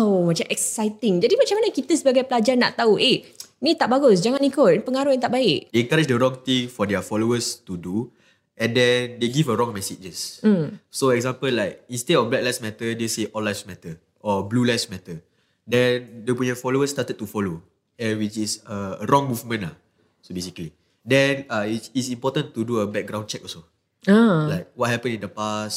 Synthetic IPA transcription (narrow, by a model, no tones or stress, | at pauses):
amãt͡ʃãmʔɛk̚sajt̪ɪŋd͡ʒadimat͡ʃamanəkit̪əsəbaɡajpəlad͡ʒarna̰ʔt̪auʔe | nĩt̪aʔbaɡʊsd͡ʒaŋãnikotpəŋaɾujaŋt̪aʔbaɪʔdeɛ̃ŋkaɾid͡ʒdəɹɔ̃ŋt̪ĩŋfɔdɛfɔloəst̪udu | ʔɛ̃ndɛ̃ndeɡivəɹɔ̃ŋmɛsid͡ʒəsm̩soɛk̚zãmpəllːaɪk̚ĩnstedɔ̃nblɛk̚lasmɛtədeseʔɔlasmɛtə | ʔɔblulasmɛtə | dɛ̃ndepuəfɔloəstatət̚tːufɔlo | ɛ̃nwit͡ʃisəəɹɔ̃ŋmuvmə̃nla | sobesikli | dɛ̃naitisĩmpɔtə̃ntuduəbɛk̚ɡɹãw̃nt͡ʃɛk̚ɔso | alaɪk̚wɔt̚hɛpə̃nĩndəpas